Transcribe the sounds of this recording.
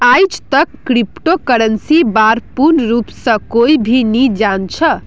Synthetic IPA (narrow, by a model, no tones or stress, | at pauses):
ajd͡ʒt̪əkːɾipʈokəɾənsibaɾpuɾnɾupsə̃koibʱinid͡ʒant͡ʃʰə